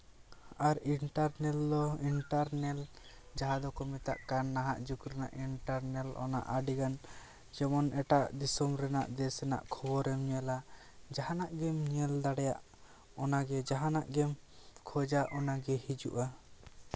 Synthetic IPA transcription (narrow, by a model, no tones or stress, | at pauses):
aɾiɳʈaɾnɛld̪ɔiɳʈaɾnɛl | d͡ʒaɦad̪ɔkɔmɛt̪a̰ʔkanːaɦaʔd͡ʒukɾɛna̰ʔiɳʈaɾnɛlɔ̰na̰ʔaɖiɡan | d͡ʒɛmɔnɛʈaʔd̪isɔmɾɛna̰ʔd̪ɛsɛna̰ʔkʰɔbɔɾɛmɲɛla | d͡ʒaɦanaʔɡɛmɲɛld̪aɽɛja̰ʔ | ɔnaɡɛd͡ʒaɦanaʔɡɛmkʰɔd͡ʒaʔɔnaɡɛhid͡ʒṵʔa